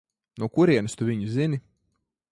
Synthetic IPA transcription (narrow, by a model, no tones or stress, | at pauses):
nukuɾiɛnɨst̪uvʲiɲuzini